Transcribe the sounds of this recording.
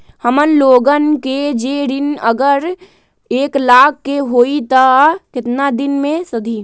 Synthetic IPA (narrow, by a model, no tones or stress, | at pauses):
həmənloːɡənked͡ʒeːɾɪnəɡəɾ | eːklaːkʰːeɦoːit̪akɪt̪nad̪ɪnmẽsəd̪ʱiː